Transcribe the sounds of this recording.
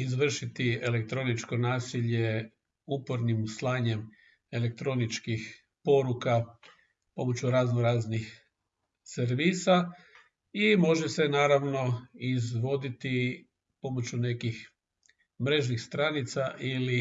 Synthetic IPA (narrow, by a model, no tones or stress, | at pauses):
izʋr̩ʃit̪iele̞k̚t̪ɾo̞nit͡ʃko̞naːsiʎe̞ | upo̞ɾnimuslˠaːɲe̞m | e̞le̞k̚t̪ɾo̞nit͡ʃkix | po̞ɾuka | po̞mo̞t͡ɕuɾaznoɾaːznix | seɾʋiːsa | imo̞ʒese̞naːɾaʋno̞izʋo̞d̪it̪i | po̞mo̞t͡ɕune̞kix | mɾe̞ʒnixst̪ɾanit̪saʔili